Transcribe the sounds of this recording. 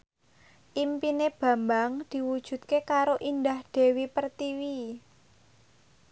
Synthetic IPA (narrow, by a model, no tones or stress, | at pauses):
ʔimpineb̥ä̤mbaŋd̪̥i̤wud̥ʒ̥ṳt̪̚kekaɾoʔind̪ahɖ̪̥e̤wipərt̪iwi